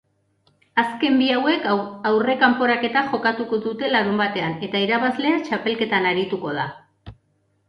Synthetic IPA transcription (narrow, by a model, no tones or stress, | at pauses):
aske̞mbiawe̞kawre̞kampo̞ɾake̞t̪aʝo̞kat̪uko̞ðut̪e̞laɾumbat̪e̞ane̞t̪aiɾaβazle̞at͡ʃape̞lke̞t̪anaɾit̪uko̞ða̰